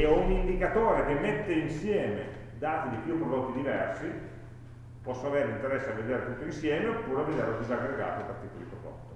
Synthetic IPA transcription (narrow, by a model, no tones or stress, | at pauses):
eunind̪ikat̪oːɾekemːet̪ːeinsjɛːmḛ | d̪aːt̪id̪ipjupːɾod̪ot̪ːid̪ivɛrsi | pɔsːonaveːɾeint̪eɾɛsːeavːed̪eːɾet̪ut̪ːoinsjɛːmeopːuːɾeaved̪eːɾlod̪izaɡɾeɡa̰ːt̪opert̪ik̪ːolḭkɾokɔ̰t̪ːo